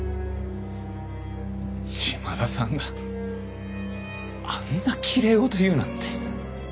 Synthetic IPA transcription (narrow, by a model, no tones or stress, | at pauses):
ɕimad̪asãŋɡa | anːakʲʰiɾeot̪ojɯ̟ːnãnt̪e